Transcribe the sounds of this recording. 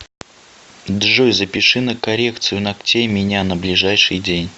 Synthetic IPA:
d̪ʐojzəpʲɪʂɨnəkɐɾʲe̞kt̪sɨjʊnɐktʲejmʲɪnʲanəblʲɪʐajʂɨjdʲenʲ

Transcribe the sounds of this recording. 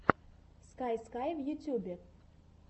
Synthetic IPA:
skajskajvjutʲubʲe

